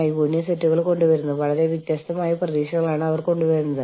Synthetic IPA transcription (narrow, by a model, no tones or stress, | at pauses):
jibunjɐsetːuɣɐɭko̞ɳɖuʋɐɾunːuʋɐɭɐɾe̞ʋit̪jaːst̪ɐmaːjɐprɐðiːɕɐŋːɐɭaːɳɨɐʋɐrko̞ɳɖuʋɐɾunːɐðɨ